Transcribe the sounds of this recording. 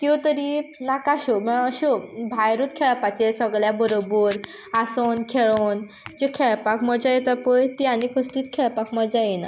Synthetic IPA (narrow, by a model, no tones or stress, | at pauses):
k̪jot̪əɾinakaɕoməɽ̃əɕobʱajɾuːt̪kʰeɭapat͡sesəɡɭjabəɾobəɾ | asonkʰeɭon | d͡ʑekʰɛɭpakməɾd͡zajet̪əɾpəjt̪iañikʰəst̪iːt̪kʰɛɭpakməɾd͡zajina̰